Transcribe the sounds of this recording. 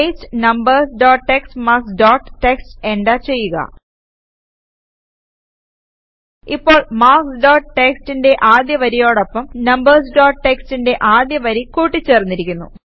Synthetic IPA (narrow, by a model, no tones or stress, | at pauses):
estɨnɐmbɐrsɖoːʈʈekstmaːksɖoːʈːʈekstenɖaːt͡ɕe̞jːuɣɐ̰ | ipːo̞ːɭmaːksɖoːʈʈekstinde̞ʔaːd̪jɐʋɐɾijo̞ːɽopːɐmnɐmbɐrs̬ɖoːʈʈekstinde̞ʔaːd̪jɐʋɐɾikuːʈːit͡ɕːe̞ːrnːiɾikʲːunːṵ